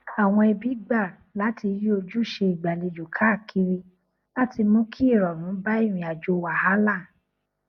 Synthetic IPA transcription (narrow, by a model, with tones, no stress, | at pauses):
a˨w̃ɔ̃˧ɛ˧bi˨˦ɡ͡ba˦˨ | la˨˦ti˧ji˦o˧d͡ʒu˦˨ʃe˧i˨ɡ͡ba˨le˧d͡ʒu˨kʰa˨˦˨kʰi˧ɾi˧ | la˦ti˧mõ˦kʰi˦i˦˨ɾɔ˨nũ˨˦ba˦i˦˨ɾ̃ĩ˨a˨d͡ʒo˧wa˨ha˦la˦˨